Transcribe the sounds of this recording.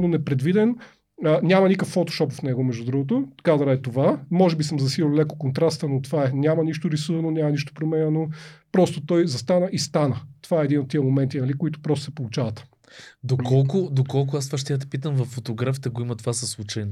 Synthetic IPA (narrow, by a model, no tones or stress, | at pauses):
nonɛpɾɛd̪vid̪ɛn | ənʲamɐnikəfːot̪o̥ʃɔpfnɛɡomɛʒd̪ud̪ɾuɡot̪̬ot̪ɐ̥kad̪ɾɐɛt̪ovamɔʒɛbisəmzɐsililˠlɛko̥kont̪ɾast̪ənot̪ovaɛnʲamɐniʃt̪ʊɾisuvɐnonʲamɐniʃt̪o̥pɾomɛnʲɛnopɾɔst̪ot̪ɔjzɐst̪anəʔist̪anət̪ovaɛɛd̪inot̪ːiəmomɛnt̪inɐlikoit̪ʊ̥pɾɔst̪ʊ̥sɛpolˠut͡ʃavɐt̪ | d̪okɔlˠkʊd̪okɔlˠk̬ʊast̪vaʃ̬t̪ɛjat̪̬ɛ̥pit̪əmvɐfːot̪oɡɾaft̪ɐɡoimɐt̪ovasɐslˠut͡ʃəjn